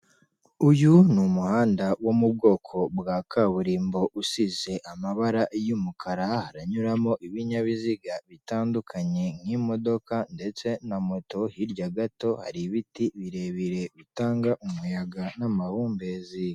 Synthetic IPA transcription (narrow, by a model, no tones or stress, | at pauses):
ujunumuhaːndawomub̚ɡo̞ːkʰo̞bɡaːkʰaβuɾiːmbo̞ʔusize̞ʔamaβaɾaʔjumukʰaɾahaɾaɲuɾamo̞ʔiβiɲaβiziɡaβitaːndukʰaɲe̞ŋ̥himo̞do̞kande̞t͡se̞namo̞to̞hiɾɟaɡato̞ha̰ɾiβitiβiɾe̞βiɾe̞βitaːŋɡaʔumujaɡanamaβuːmbezi